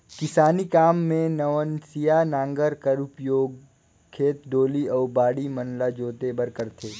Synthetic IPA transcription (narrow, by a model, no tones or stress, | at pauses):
kɪsaːnikaːmːẽnəʋənsijanãːŋɡəɾkəɾʊpjoːɡ | kʰːeːt̪ɖoːliɔːɾbaːɽimənlad͡ʒoːt̪ebəɾkəɾt̪ʰeː